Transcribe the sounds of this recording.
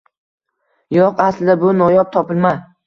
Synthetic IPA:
jɒqaslɪd̪abʊnɒjɒp̚t̪ʰɒpɪlˠma

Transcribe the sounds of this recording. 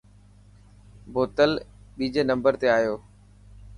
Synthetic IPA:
boːt̪əl | ɓiːd͡ʑeːnə̃mbəɾt̪eaːɦjoː

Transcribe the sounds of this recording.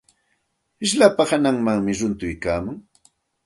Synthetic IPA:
ɪʃ̬lapahanaŋmaŋmɪɾʊnt̪ʊjkaːmʊŋ

